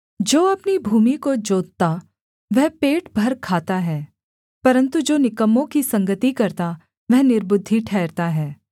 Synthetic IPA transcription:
d͡ʒoːɐpnibʱuːmikod͡ʒoːt̪̚t̪a | ʋɛɦpeːʈbʱɐɾkʰaːt̪aɦɛː | pɐɾə̃nt̪ud͡ʒoːnɪkəmːõkisɐ̃ŋɡət̪ikɐɾt̪a | ʋɛɦnɪɾbʊd̪ʱːiʈʰɛːɾt̪aɦɛː

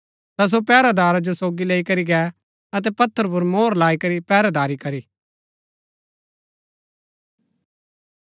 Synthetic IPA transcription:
t̪as̬opɛːɾad̪aːɾad͡ʒosoːɡileːikɐɾiɡɛː | ɐt̪̬ɛpɐt̪ʰːəɾp̬ʊɾmoːɾlaːikɐɾipɛːɾad̪aːɾikɐɾiː

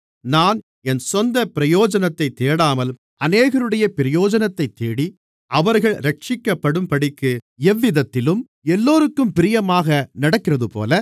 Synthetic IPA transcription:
naːn | ɛnsɔnd̪ɐpɪɾɐjoːd͡ʒɐnɐt̪ːɐɪt̪ːeːɽaːmɐl | ɐneːɣɐɾɯɽɐjɐpɪɾɪjoːd͡ʒɐnɐt̪ːɐɪt̪ːeːɽi | ʔɐʋɐɾɣɐɭɾɐʈ̚t͡ʃɪkːɐpːɐɽɯmpɐɽɪkːɯɛʋːɪðɐt̪ːɪlɯm | ɛlːoːɾɯkːɯmpɪɾɪjɐmaːɣɐnɐɽɐkːɪrɐðɯpo̰ːlɐ

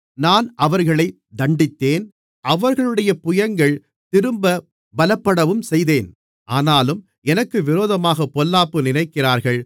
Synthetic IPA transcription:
naːnʔɐʋɐɾɣɐɭɐɪ | d̪ɐɳɖɪt̪ːeːn | ʔɐʋɐɾɣɐɭɯɽɐjɐpʊjɐŋɡɐɭ | t̪ɪɾɯmbɐ | bɐlɐpːɐɽɐʋɯmsɛjðeːn | ʔaːnaːlɯm | ɛnɐkːɯʋɪɾoːðɐmaːɣɐpːɔlːaːpːɯnɪnɐɪkːɪraːɾɣɐɭ

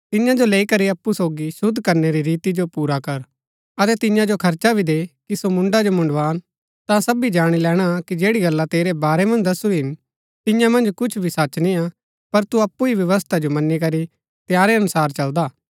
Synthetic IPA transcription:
t̪ɪjãd͡ʒoleːikɐɾiɐpːusoːɡisʊd̪ʱkɐɾneɾiɾiːt̪id͡ʒopuːɾakɐɾ | ɐt̪ɛt̪ɪ̃jãd͡ʒokʰɐɾt͡ʃabʱid̪eːkisomʊ̃ɳɖad͡ʒomʊ̃ɳɖʋaːn | t̪ãsɐbid͡ʒaːɽ̃ilɛːɽ̃akid͡ʒeːɽiɡɐlːat̪eːɾebaːɾɛmɐ̃nd͡ʒd̪ɐsuɦɪn | t̪ɪ̃jãmɐ̃nd͡ʒkʊt͡ʃʰbʱisɐt͡ʃnĩa | pɐɾt̪uɐpːuiʋjɐʋəs̬t̪ʰad͡ʒomɐnːikɐɾi | t̪ɪjaːɾeɐnʊsaːɾt͡ʃɐld̪aː

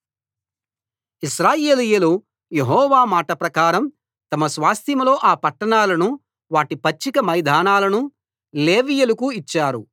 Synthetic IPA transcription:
iʃɾaːje̞ːlijɐlu | jeɦɔːʋaːmaːʈɐpɾɐkaːɾɐm | t̪ɐmɐsʋaːst̪ʰimlo̞ːʔaːpɐʈːɐɳaːlɐnu | ʋaːʈipɐt͡ʃːikɐmɐjd̪ʱaːnaːlɐnu | le̞ːʋijɐlukuit͡ʃːaːɾu

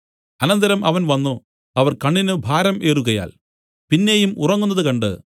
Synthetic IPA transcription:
ɐnɐnd̪ɐɾɐmʔɐʋɐnʋɐnːu | ɐʋɐrkɐɳːinɨbʱaːɾɐme̞ːruɣɐja̰ːl | pinːe̞ːjumurɐŋːunːɐðɨkɐɳɖɨ̰

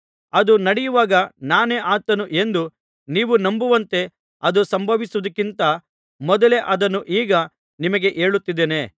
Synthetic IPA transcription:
ɐd̪unɐɽijuʋaːɡɐnaːneːʔaːt̪ɐnuʔe̞nd̪u | niːʋunɐmbuʋɐnt̪e̞ | ɐd̪usɐmbʱɐʋisuʋɐd̪ɐkːint̪ɐ | mɔd̪ɐle̞ʔɐd̪ɐnːuʔiːɡɐ | nimɐɡe̞ʔeːɭut̪ːid̪ːeːne

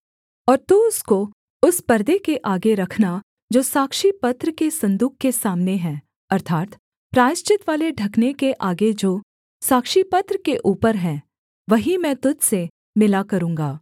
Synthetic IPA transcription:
ɔːɾt̪uʊsko | ʊspɐɾd̪ekeʔaːɡeɾɐkʰna | d͡ʒoːsaːkʃipɐt̪ɾəkesɐ̃nd̪uːkkesaːmneɦɛ̃ː | ɐɾt̪ʰaːt̪ | pɾaːɪʃt͡ʃɪt̪ʋaːleɖʱɐknekeʔaːɡed͡ʒoː | saːkʃipɐt̪ɾəkeʔuːpəɾɦɛ̃ː | ʋɐɦimɛ̃ːt̪ʊd͡ʒ̪se | mɪlakɐɾũːŋɡaː

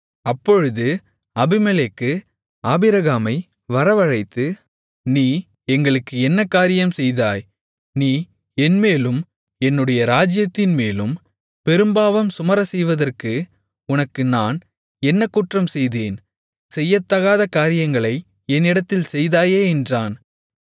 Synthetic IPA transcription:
ɐpːɔɻɯðɯ | ɐbɪmɛlekːɯ | aːbɪɾɐɣaːmɐɪ | ʋɐɾɐʋɐɻɐɪt̪ːɯ | niː | ɛŋɡɐɭɯkːɯɛnːɐkːaːɾɪjɐmsɛjðaːj | niː | ɛnmeːlɯm | ɛnːɯɽɐjɐɾaːd͡ʒɪjɐt̪ːɪnmeːlɯm | pɛɾɯmbaːʋɐmsʊmɐɾɐsɛjʋɐðɐrkɯ | ʊnɐkːɯnaːn | ɛnːɐkːuːʈrɐmsɛjðeːn | sɛjːɐt̪ːɐɣaːðɐkaːɾɪjɐŋɡɐɭɐɪ | ɛnːɪɽɐt̪ːɪlsɛjðaːjeːɛndraːn

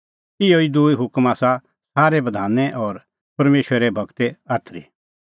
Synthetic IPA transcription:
ɪoid̪ʊiɦʊkmaːsa | saːɾebɐd̪ʱaːnːɛʔɔːɾ | pɐɾmeːʃwəɾɾɛbʱɐɡt̪ɛaːt̪ʰɾḭ

